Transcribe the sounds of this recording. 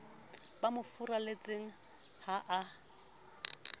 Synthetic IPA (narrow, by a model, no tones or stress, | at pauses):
bamʊfʊralet͡sʼeŋ̩ | haʔa